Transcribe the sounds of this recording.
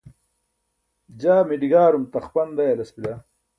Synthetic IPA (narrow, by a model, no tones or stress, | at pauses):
d͡ʑaːmiɖiɡaːɾumt̪ɐχpɐnd̪ɐjɐlɐspila